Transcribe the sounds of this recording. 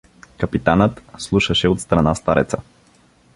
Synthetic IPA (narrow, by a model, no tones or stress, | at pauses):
kəpit̪anət̪slˠuʃəʃɛot̪st̪ɾɐnast̪aɾɛ̰t̪sə